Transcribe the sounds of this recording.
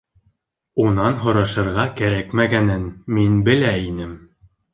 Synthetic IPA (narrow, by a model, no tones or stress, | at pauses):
unɑnɦŏɾɑʃɤ̆ɾʁɑkæɾækmæɡænɘnminbɘ̆læinɘm